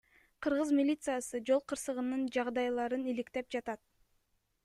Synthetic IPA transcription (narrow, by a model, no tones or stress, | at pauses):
qʰɯɾʁɯzmʲilʲit̪sɨjasɯd͡ʒo̞lˠqʰɯɾsɯʁɯnɯnd͡ʒɑʁd̪ɑjlˠɑɾɯnilikt̪e̞p̚d͡ʒɑt̪ɑt̪̚